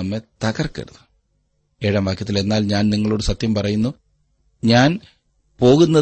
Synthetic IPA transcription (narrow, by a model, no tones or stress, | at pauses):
ɐmːe̞t̪ɐɣɐrkḛɽuðɨ̥ | eːɻɐmʋaːkjɐt̪ːile̞nːaːlɲaːnniŋːɐɭoɽɨsɐt̪jɐmpɐrɐjunːu | ɲaːn | po̞ːɣunːɐ